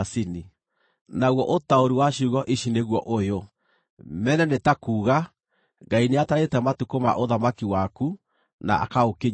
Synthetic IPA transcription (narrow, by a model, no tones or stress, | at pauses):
sini | naɣɔʔotaoɾuwaʃuɣɔʔiʃineɣwɔʔojo | mɛnɛnetakuːɣa | ɡaineataɾetɛmatukoma̰ʔoðamakiwaku | na̰ʔa̰kaoke